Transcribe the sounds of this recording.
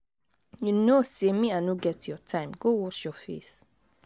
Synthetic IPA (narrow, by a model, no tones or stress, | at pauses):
junosemiãnuɡɛtjɔtʰãɪ̃mɡowɔʃjɔfḛs